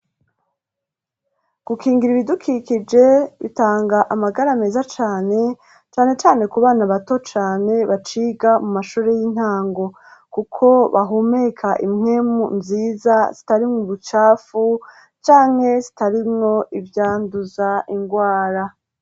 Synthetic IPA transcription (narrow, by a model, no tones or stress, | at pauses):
ɡ̥ukiːŋɡiɾiβidukʰikid͡ʒe̞βḭtaːŋɡaʔamaɡaɾame̞ːzat͡ʃaːne̞ | t͡ʃaːne̞t͡ʃaːne̞kuβaːnaβato̞t͡ʃaːne̞βat͡ʃiːɡamumaʃuːɾe̞jiːn̥haːŋɡo̞ | kukʰo̞βaɦume̞kʰaʔimŋe̞mṵnziːzaz̥itaɾimŋuβut͡ʃaːfu | t͡ʃaːŋ̥he̞zitaɾimŋo̞ʔivjaːnduzaʔiŋɡwaːɾa